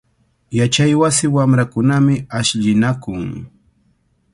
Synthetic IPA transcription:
jat͡ʃajwasɪwamɾakʊnamɪaʃʎɪnakʊŋ

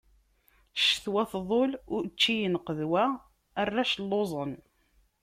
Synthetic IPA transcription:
ʃθwæθðˤolʊɾt͡ʃːijənqəðwæː | rːaʃlːozˤən

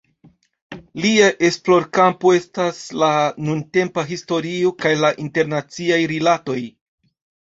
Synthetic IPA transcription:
liaʔe̞splo̞ɾkampoe̞staslanunte̞mpaɦisto̞ɾio̞kajlaʔinte̞ɾnat͡siajɾilato̞j

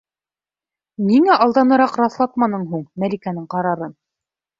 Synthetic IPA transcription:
niŋæʔɑlˠd̪ɑnɤ̆ɾɑqɾɑθlˠɑt̪̚mɑnɤɴɦuɴmælikænɘɴqɑɾɑɾɤn

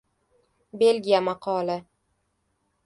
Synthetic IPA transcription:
be̞lɡʲijamaqʰɒlˠɪ

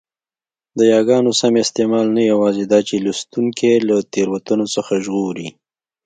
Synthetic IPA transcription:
d̪əjɑɡɑnosamɪst̪emɑlnajawɑzed̪ɑt͡ʃelust̪uŋkʰelat̪eɾwat̪unosəxaʒɣoɾi

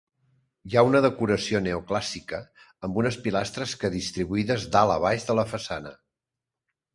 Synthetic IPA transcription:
jaunəðəkuɾəsioneuklasikəː | mbunəspilast̪ɾəskəðist̪ɾiβuiðəzd̪alə̰β̞aʒðələfəsanə

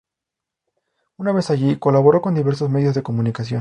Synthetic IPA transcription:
unaβe̞saʝiko̞laβo̞ɾo̞ko̞nd̪iβe̞ɾso̞zme̞ðjo̞zðeko̞mũnikas̬jo̞n

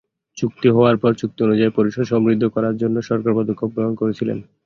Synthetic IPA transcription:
t͡ɕuk̚t̪iɦɔoaɾpɔɾt͡ɕuk̚t̪ionud͡ʑaepoɾiʃod̪ʃɔmɾid̪ʱːokɔɾaɾd͡ʑonːoʃɔɾkaɾpod̪ʱokʰːobɾoɦonkoɾet͡ɕʰilḛn

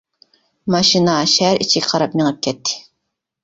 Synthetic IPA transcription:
mɑʃinɑʃɛɾit͡ʃʰiɡʲqʰɑɾɑp̚nɪŋɨp̚kʲʰɛt̪ʰːɪ̥

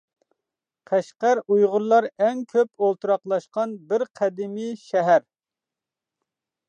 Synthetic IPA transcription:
qʰæʃqæɾujʁʊɾlˠɑɾɛŋkʲʰøpolˠt̪ʰuɾɑqlˠɑʃqɑnbɪɾqʰɛd̪ɪmiʃɛɦæɾ

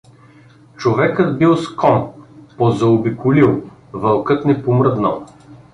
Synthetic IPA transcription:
t͡ʃovɛkəd̪bilˠskɔnpozɐobikʊlilˠ | vɐlˠkɤt̪nɛpomɾɤd̪nə̰lˠ

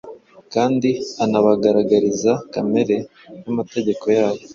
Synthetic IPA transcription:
kaːndianaβaɡaɾaɡaɾizakame̞ɾe̞ | namate̞ɟe̞ko̞jaːβo̞

